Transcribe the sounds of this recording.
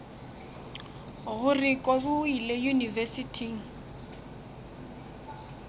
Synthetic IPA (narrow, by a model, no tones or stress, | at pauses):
ɣʊrɪkʼobʊilejunivɛsitʰiŋ̩